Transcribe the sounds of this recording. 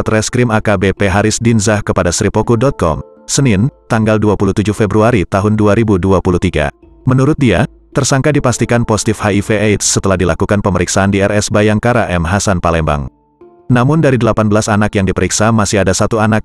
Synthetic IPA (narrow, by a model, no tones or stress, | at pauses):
t̪rɛskɾɪmakabepeɦaɾɪsdinzahkəpadasɾipɔkudɔt̪̚kɔ̰m | sənɪnt̪aŋɡalduapulut̪ud͡ʒuhfɛbɾuaɾit̪aɦʊnduaɾibuduapulut̪iɡa̰ | mənuɾʊt̪̚dia | t̪ərsaŋkadipast̪ikanpɔsi̥t̪ɪfhaifeʔejt̪̚sət̪əlahdilakukanpəməɾiksaandiɛrɛsbajaŋkaɾaʔɛmɦasanpalɛmba̰ŋ | namʊndaɾidəlapanbəlasanakjaŋdipəɾiksamasɪadasat̪uanak̚